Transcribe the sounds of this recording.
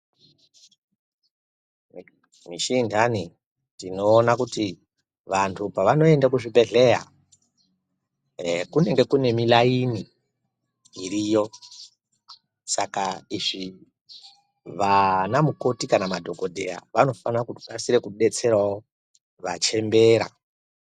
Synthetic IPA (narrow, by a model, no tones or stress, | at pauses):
miʃiːndʰani | tino̞ːnakuti | ʋantʰupaʋano̞e̞ndakuʐibʱe̞ɮe̞ja̰ | kune̞ŋɡe̞kune̞milaini | ɾijo̞ | sakaiʐi | ʋanamuko̞tikanamadʱo̞ko̞dʱe̞ja̰ʋano̞fanakuɗasiɾe̞kuɗe̞t͡se̞ɾwao̞ | ʋa̰t͡ʃe̞mbe̞ːɾa̰